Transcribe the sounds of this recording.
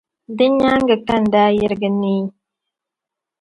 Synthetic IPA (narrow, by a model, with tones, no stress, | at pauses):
də˦ɲa˦ŋ˦ɡə˨ka˦˨n̩˨daː˦jə˦ɾɡə˦ni˦